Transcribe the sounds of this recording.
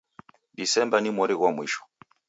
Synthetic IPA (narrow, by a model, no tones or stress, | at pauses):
disɛmbanimɔɾiɣwamwiʃɔ̥